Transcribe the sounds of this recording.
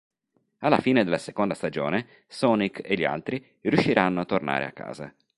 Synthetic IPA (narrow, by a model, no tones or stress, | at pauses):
alːafiːned̪elːasekond̪ast̪ad͡ʒo̰ːne | sɔnikeʎːia̰lt̪ɾi | rjuʃːiɾʔanːoat̪ːorna̰ːɾʔḛa̰kːa̰ːza̰